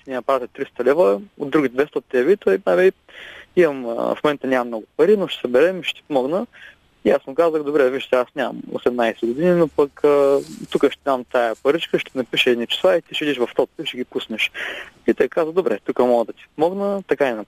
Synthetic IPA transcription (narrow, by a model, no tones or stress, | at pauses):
nʲinɐpɾat̪ʲət̪ɾist̪ɐlɛvəo̰d̪ːɾuɡit̪d̪vɛst̪əot̪ːɛɛβit̪oinabɛ | imɐm̰fmomɛnt̪ənʲamɐmnɔɡʊpɐɾinʊʃt̪ɛ̥sɐbɛɾɛmiʃɛ̥t̪i̥pomɔɡnə | ijasmʊkazəxd̪obɾɛviʃt̪ɛasnʲamɐ̰mo̰sɛmnajsɛɡod̪ininopɐkət̪ukəʃt̪ɛd̪amt̪ajɐpɐɾit͡ʃkəʃt̪ɛɛnɐpiʃɛd̪nit͡ʃɛ̥slˠait̪iʃid̪iʃvɐft̪ɔt̪̚piʃɛɡipusnɛʃit̪ɛjkazəd̪obɾʔɛ̰t̪ukəmɔɡɐd̪ɐt̪i̥pomɔɡnət̪ɐkanɛnɐp